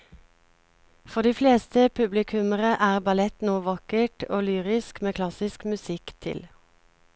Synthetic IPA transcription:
fɔʁd̪iːfleːst̪əpʰʉblɪkʰʉməʁəʔæːʁbɑlɛt̪nuːʋɑkəʈoːlyːʁɪskmeːkʰlɑsɪskmʉsɪkt̪ʰɪ̰l

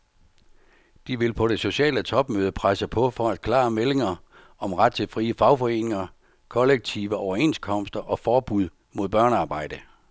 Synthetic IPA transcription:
d̥iʋe̝lpʰɒ̽ɾ̥e̝so̝ɕɛ̰ːlət͡sʰɒ̽b̥møːð̞ˠəpʰʁasəpʰɒ̽fɒ̽æd̥̚kʰlɑ̰̈ːmele̝ŋɐ | ɒ̽mʁad̥̚t͡sʰe̝lfʁiːəfɑ̈ʊfɒ̽e̝̰ːne̝ŋɐ | kʰɒ̽leɡ̥̚t͡sʰiʋəɒʊɐe̝̰nskʰɒ̽m̰sd̥ɐʔɒ̽fɒːb̥uð̞̰ˠ | mo̝ðˠb̥ɶɐnəɑ̈ːb̥ɑ̈ɪ̰d̥ə

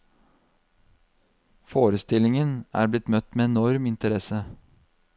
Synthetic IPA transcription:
foːɾəst̪ɪlɪŋənæ̰ːɾblɪt̪mœt̪meːɛnɔɾmɪnt̪əɾɛsə

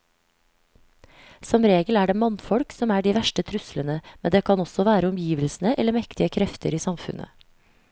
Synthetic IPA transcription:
sɔmɾeːɡəlæːɖeːmɑnfɔɽksɔmæːɖiːʋæʃʈət̪ʰɾʉslənəmɛnd̪eːkʰɑnɔsɔʋæːɾəɔmjiːʋəlsn̩əʔɛləmɛkt̪ɪəkʰɾɛft̪ʰəɾiːsɑmfʉ̰nʔə̰

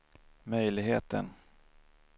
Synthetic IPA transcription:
mœjlɪɡɦeːt̪ə̰n

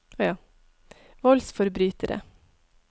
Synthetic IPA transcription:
jɑː | ʋɔlsfɔɾbɾyːt̪əɾə̰

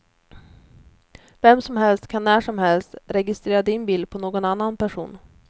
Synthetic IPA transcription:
vɛmːsɔmɦɛlst̪kʰanːæːʂɔmhɛlst̪ɾɛɡɪst̪ɾeːɾad̪ɪnbiːld̪̚pʰɔnoːɡɔnanːanpʰæʂṵːn

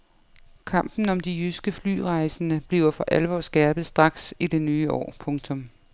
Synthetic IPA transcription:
kʰɑ̈m̰b̥n̩ɒ̽md̥iysɡ̥əfly̰ːʁɑ̈ɪsənəb̥liːʊɐfɒ̽ʔælʋɒ̰ːsɡ̥ɛːɐb̥ð̞̩ˠsd̥ʁɑ̈ɡ̥sid̥e̝nyːɒ̰ːpʰɔ̽ŋt͡sʰɔ̽m

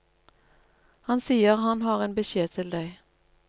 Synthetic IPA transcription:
hɑnsiːəʁhɑnhɑːʁeːnbəʃeːt̪ʰɪld̪æɪ

